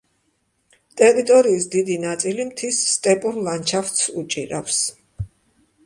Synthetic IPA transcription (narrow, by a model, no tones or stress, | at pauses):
t̪ʼɛɾit̪ʼɔɾiːsd̪id̪inat̪sʼilimt̪ʰisːt̪ʼɛpʼuɾlant͡ʃʰaft̪sut͡ʃʼiɾafs